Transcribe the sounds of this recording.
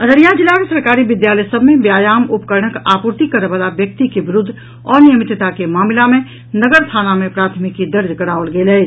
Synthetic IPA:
əɾəɾijãd͡ʒɪlansəɾkaːɾiʋɪd̪jaːləjsəbʱmẽbjaːjaːmʊpkəɾɳəkaːpuɾt̪ikəɾʋaːlaʋjək̚t̪ikeʋɪɾʊd̪ʱː | ɔːɾnijəmɪt̪t̪akemaːmɪlamẽ | nəɡəɾst̪ʰaːnamẽpɾaːt̪ʰmɪkːid̪əɾd̪ʱkəɽaːəlɡeːlɛː

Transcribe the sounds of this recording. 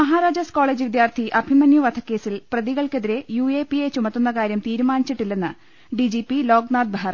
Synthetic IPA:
mɐɦaːɾaːd͡ʑɐsko̞ːɭeːd͡ʑɨʋid̪jaːrt̪ʰiʔɐbʱimɐnjuʋɐd̪ʰɐkːe̞ːsilprɐðiɣɐɭkeðiɾe̞juːe̞ːpːijet͡ɕumɐt̪ːunːɐkaːɾjɐmt̪iːɾumaːnit͡ɕːiʈːilːe̞nːɨ | ɖid͡ʑipilo̞ːɡnaːd̪̚bʱaːɐrɐ

